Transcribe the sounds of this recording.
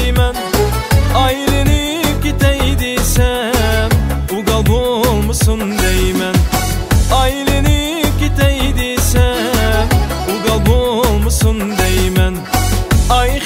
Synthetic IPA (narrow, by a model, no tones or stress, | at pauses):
mɛn | ɑjlɪnɪ | kʲet̪ɛjd̪esɛ | m | uɡɑlˠbolˠmsund̪ɛjmɛn | ɑjlɪnɪ | kʲet̪ɛjd̪esɛ | m | uɡɑlˠbolˠmʊsund̪ɛjmɛn | ɑj